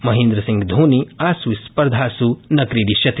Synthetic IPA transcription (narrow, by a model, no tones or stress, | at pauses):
mɐɦẽːnd̪ɾɐsĩŋɡd̪ʱuːniaːsuispɐɾd̪ʱaːsunɐkɾiːdiʃjɐt̪ʰ